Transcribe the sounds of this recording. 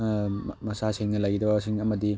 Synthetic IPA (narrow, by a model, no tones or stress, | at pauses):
mɐsaseŋnɐlɐjɡidɐbɐsiŋɐmɐdi